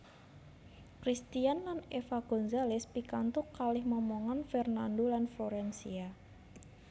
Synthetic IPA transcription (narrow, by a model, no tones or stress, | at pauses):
kɾist̪ianlanefaɡ̥ɔ̤nzalɪspikant̪ʊkːalɪhmɔmɔŋanfɛrnandolanfoɾɛnsḭa